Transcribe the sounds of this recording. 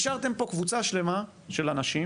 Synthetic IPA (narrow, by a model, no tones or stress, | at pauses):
ʃaʁt̪e̞mpo̞kvut͡saʃle̞ma | ʃe̞lanaʃi